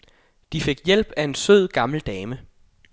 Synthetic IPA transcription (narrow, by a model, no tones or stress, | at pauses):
d̥ife̝ɡ̥jel̰b̥æe̝nsøð̰ˠɡ̥ɑ̈ml̩d̥ɛːmə